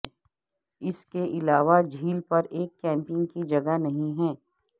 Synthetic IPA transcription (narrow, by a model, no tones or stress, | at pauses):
ɪskeʔɪlaːʋad͡ʒʱiːlpɐɾeːkːɛ̃ːmpɪŋɡkid͡ʒɐɡanɐɦĩɦɛ̃ː